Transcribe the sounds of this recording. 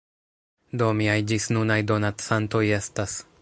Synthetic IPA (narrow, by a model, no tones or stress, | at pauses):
d̪o̞miajd͡ʒisnunajdo̞natsanto̞je̞stas